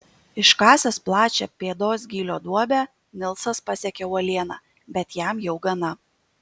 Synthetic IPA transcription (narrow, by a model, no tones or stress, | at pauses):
ɪʃkɑːsʲɛsplˠɑːt͡ʃʲɛpʲeːd̪oːs̬ɡʲiːlʲoːd̪uɔbʲæ | nʲɪlˠsɐspɐsʲɛkʲɛʊɐlʲiɛnɑ̰ː | bʲɛt̪jæmjɛʊɡɐnɐ